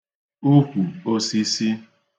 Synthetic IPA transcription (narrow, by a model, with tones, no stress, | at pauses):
u˦kʷu˨o˦si˦si˦